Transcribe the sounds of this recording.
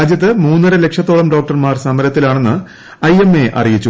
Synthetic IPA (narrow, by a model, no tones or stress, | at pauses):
aːd͡ʑjɐt̪ːɨmuːnːɐɾɐle̞kʂɐt̪ːo̞ɭɐmɖo̞ːk̚ʈɐrmaːrsɐmɐɾɐt̪ːilaːɳe̞nːɨ | ɐjemːe̞ʔɐ̰rijit͡ɕːu